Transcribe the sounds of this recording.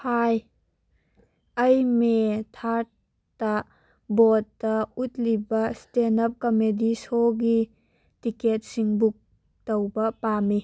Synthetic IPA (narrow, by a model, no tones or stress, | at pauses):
haj | ʔɐjmet̪ʰaɾ | ta | bɔtːɐut̪̚libɐstenɐp̚kɔmedisoɡi | tiket̚siŋbuk̚ | tɔwbɐpami